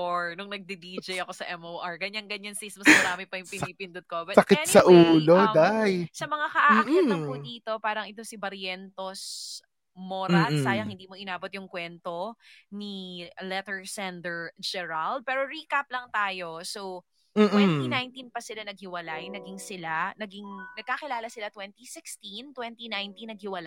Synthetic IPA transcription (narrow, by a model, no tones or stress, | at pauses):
oɹnʊŋnɐɡ̚d̪ɪd̪id͡ʒɐjɐko̞sɐʔɛmowʔaɹɡɐɲːaŋɡɐɲɐnsismɐsmɐɾaːmɪpɐjʊŋpɪniːpɪnd̪ʊd̪̚kobɐsɐkɪt̪̚sɐʔuːlod̪ajsɐmɐŋakɐʔam̩ːkɪɐŋpʊd̪iːt̪o̞paːɾɐŋɛt̪o̞sɪbɐɾjɛnt̪os | moːɾɐsaːjɐŋhɪnd̪iːmoʔɪnaːbot̪̚jʊŋkwɛnt̪o̞nilɛt̪ɛɹsɛnd̪ɛɹd͡ʒɛɹald̪̚pɛːɾoɾiːkap̚lɐŋt̪aːjo̞sow | m̩ːwɛnt̪inajnt̪inpɐsɪlanɐɡ̚hɪwɐlajnɐɡiŋsɪlanɐɡiŋnɐɡ̚kakɪlaːlɐsɪlat̪wɛnt̪isɪkst̪int̪wɛnt̪inajnt̪inːɐɡ̚hɪwɐlaj